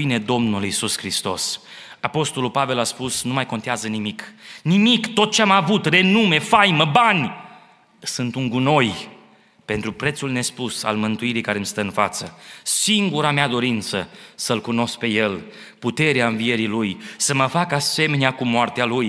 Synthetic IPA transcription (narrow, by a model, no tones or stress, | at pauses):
ine̞d̪o̞mnulisuskɾist̪o̞̰s | apo̞st̪o̞lulpave̞laspusnumajko̞nt̪eazənimiknimikt̪o̞t̪̚t͡ʃeamavut̪re̞nume̞fajməbanʲ | sɨnt̪uŋɡuno̞j | pe̞nt̪ɾupɾe̞t̪sulne̞spusa̰lmɨnt̪uiɾijkaɾe̞mst̪əɨnfat̪səsiŋɡuɾamead̪o̞ɾint̪səsəlkuno̞sk̚pe̞je̞l | put̪e̞ɾeaɨnvie̞ɾilujsəməfakase̞me̞neakumoart̪ealuj